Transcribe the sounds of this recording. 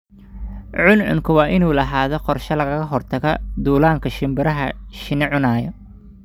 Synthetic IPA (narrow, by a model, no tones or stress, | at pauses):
ʕʊnʕʊ̰ŋkʰʊwɑːʔɪnuːlɐɦaːðɔqɔrʃɐlɐɣɐɣɐɦɔrt̪ʰɐɣɔd̪uːlaːŋkʰɐʃɪmbɪɾɐɦɐʃɪnɛʕʊnaːjɔ